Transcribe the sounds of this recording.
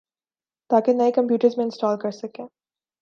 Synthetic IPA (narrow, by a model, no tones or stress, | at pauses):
t̪aːkenɐekɐ̃mpjuːʈəɾzmẽɪ̃nsʈɔːlkɐɾsɐkẽː